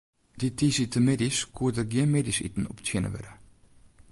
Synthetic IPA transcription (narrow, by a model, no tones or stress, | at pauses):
d̥itisitəmediskʰuədəɡjɪnmedisḭt̪n̩ɔ̰ptʰɛnə̰ʋɛ̰ɾə